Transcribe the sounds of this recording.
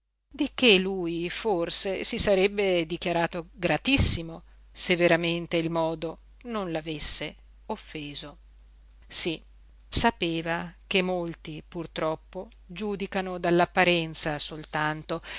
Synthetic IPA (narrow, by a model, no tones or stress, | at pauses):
d̪ikelujforsesisaɾɛbːed̪ikjaɾaːt̪oɡɾat̪isːimo | sevːeɾament̪eilmɔːd̪o | nonlavesːe | ofːeːzo | si | sapeːvak̟emːolt̪ipurt̪ɾɔpːo | d͡ʒuːd̪ikanod̪alːapːaɾɛnt̪sasolt̪ant̪o